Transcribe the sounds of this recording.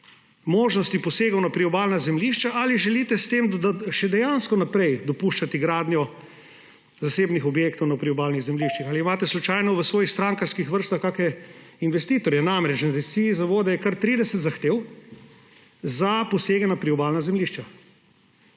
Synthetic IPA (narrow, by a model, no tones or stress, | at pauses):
moːʒnɔst̪ipɔseːɡɔwnapɾiɔbaːlnazɛmliʃt͡ʃaʔaliʒɛlit̪ɛst̪eːmʃɛd̪ɛjanskɔnapɾɛjd̪ɔpuːʃt͡ʃat̪iɡɾaːd̪njɔ | zaseːbnixɔbjeːkt̪ɔwnapɾiɔbaːlniɣzɛmliʃt͡ʃixaliːmaːt̪ɛslut͡ʃajnɔʋəsʋoːjixst̪ɾaŋkaɾskixʋəɾst̪axkakɛinʋɛst̪iːt̪ɔɾjɛnamɾɛt͡ʃnad̪ɛsiizaʋoːd̪ɛjɛkaɾt̪ɾiːd̪ɛsɛt̪zaxt̪eːw | zapɔseːɡɛnapɾiɔbaːlnazɛmliʃt͡ʃa